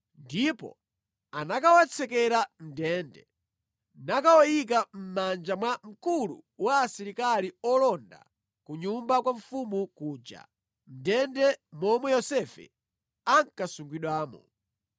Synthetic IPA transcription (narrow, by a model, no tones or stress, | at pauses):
ndipɔ̰ | anakawat͡sʰɛkɛɾam̩dɛːndɛ̰ | nakawɔjik̬am̩mand͡ʒamwam̩kulṵwaːsiɾikaliɔlɔnda̰ | kuɲumbakwaɱfumukuːd͡ʒa̰ | m̩dɛndɛmɔmwɛjɔsɛfɛ̰ | aŋkasuŋɡwiɗwaːmɔ̰